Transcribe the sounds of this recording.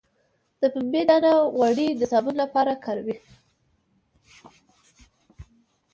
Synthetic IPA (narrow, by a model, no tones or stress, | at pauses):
d̪̥əpəmbedanaɣwaɽid̪əsɑbunlapɑɾakʰɑɾawi